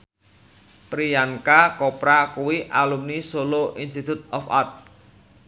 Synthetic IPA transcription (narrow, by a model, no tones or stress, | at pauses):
pɾijaŋkakɔpɾakuwiʔalumnisoloʔinst̪it̪ut̪̚ɔfa̰rt̪̚